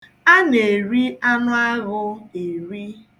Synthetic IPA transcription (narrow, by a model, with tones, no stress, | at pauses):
a˦ne˨ɾi˦a˦nʊ˦a˦ɣʊ˦e˨ɾi˦